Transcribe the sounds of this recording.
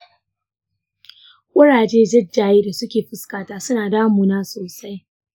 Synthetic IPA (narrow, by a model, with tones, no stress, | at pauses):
ʔʷʼʊ˦ɽaː˨d͡ʒeː˦d͡ʒɪ˦d͡ʒaː˨jeː˦da˨sʊ˦kʲeː˨ɸɪ˦skaː˨taː˦sʊ˦naː˨daː˦mu˨naː˦soː˨sa˦j